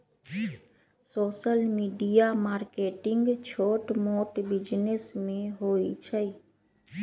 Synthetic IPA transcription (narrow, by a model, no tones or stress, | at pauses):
soːʃəlmiːɖijamaːɾkeːʈɪŋɡt͡ʃʰoːʈmoːʈbɪd͡ʒnesmẽɦoːit͡ʃʰə